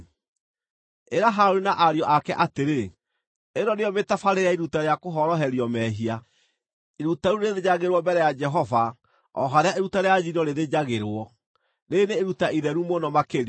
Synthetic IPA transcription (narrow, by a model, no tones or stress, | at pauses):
eɾaɦaɾɾinaʔaɾjɔʔakɛʔateɾe | eɾɔneɔmetafaɾeɾeaiɾutaɾeakoɦɔɾɔɦɛɾiɔmɛɦia | iɾutaɾuneðed͡ʑaɣeɾwɔmbɛɾɛjad͡ʒɛɦɔva | ɔ̰ɦaɾeaeɾutaɾead͡ʑinɔɾeðed͡ʑaɣeɾwɔ | neneːɾutaiðɛɾumonɔmakeɾ